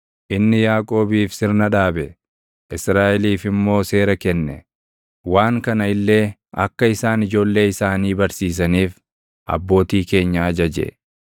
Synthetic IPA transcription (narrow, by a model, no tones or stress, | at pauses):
ʔɪnːɪjaːkʼo̞ːbiːfsɪɾnɐᶑaːbɛ | ʔɪsɾaːʔɛliːfɪmːo̞ːse̞ːɾɐkɛnːɛ | waːŋkɐnɐɪlːe̞ːɐ̰kːɐɪsaːnɪd͡ʒo̞ːlːe̞ːɪsaːniːbɐɾsiːs̬ɐniːf | ʔɐ̰bːo̞ːt̪iːke̞ːɲːɐɐd͡ʒɐd͡ʒɛ̰